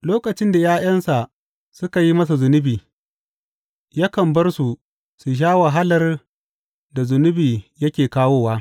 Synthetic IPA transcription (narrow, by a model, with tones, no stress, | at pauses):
loː˦kʼɐ˨t͡ʃɪ˦nda˨jaː˦j̰ɐ˦nsa˨ | sʊ˦ka˨ji˦mɐ˦s̬a˨zʊ˨nʊ˦biː˨ | ja˦kɐ˨mbɐ˦rsu˨ | su˨ʃ̬aː˦wɐ˨ɦa˦lɐ˦r | da˨zʊ˨nʊ˦biː˨jɐ˦kʲeː˨kaː˦woː˦waː˦